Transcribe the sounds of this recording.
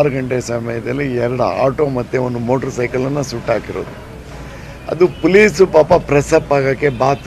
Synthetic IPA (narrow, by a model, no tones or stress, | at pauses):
ɾɐɡɐɳʈesɐmɐjɐd̪ɐlːiɛɾɐɽɐ̰a̰ːʈo̞ːmɐt̪ːeond̪umo̞ːʈɐɾsɐjkɐlɐnːɐsuʈːaːkiɾo̰ːd̪u | ɐ̰d̪upoliːsupaːpɐpɾɛsɐpːaːɡaːkːebaːt̪